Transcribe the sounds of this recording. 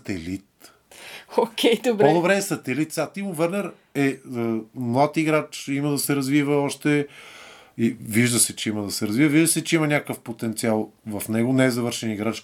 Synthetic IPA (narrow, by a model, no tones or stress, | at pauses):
t̪ɛlit̪ | okʲʰɛjd̪obɾpɔd̪obɾɛːsɐt̪ɛlit̪̚sʲat̪imʊvɛɾnɛɾ | ɛəmlˠat̪iɡɾat͡ʃiməd̪ɐsɛɾɐzvivəɔʃt̪ɛ | iviʒd̪əsɛt͡ʃɛiməd̪ɐsɛɾɐzvivəviʒd̪əsɛt͡ʃɛimɐnʲakəfpot̪ɛnt̪sialˠvɐfnɛɡonɛːzɐvɤɾʃɛniɡɾat͡ʃ